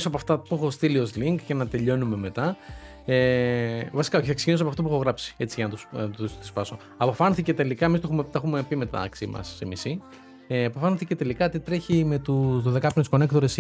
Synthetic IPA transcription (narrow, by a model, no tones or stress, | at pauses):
isoɐp̬oɐft̪ɐpuexo̞st̪ilio̞sliŋkcenɐt̪e̞ʎo̞nume̞me̞t̪ɐ | evɐsi̥kɐoçiθɐksecinisoɐpoɐft̪op̬uexo̞ɣɾɐpsi̥e̞t͡siʝɐnɐt̪usust̪i̥spɐso̞ | ɐpofɐnθice̞t̪e̞likɐemist̪oxumet̪ɐxumepimet̪ɐ̰ksimɐ̰simisi | eɐpofɐnθice̞t̪e̞likɐot̪it̪ɾeçime̞t̪uðoðekɐpnt̪usko̞ne̞kt̪oɾes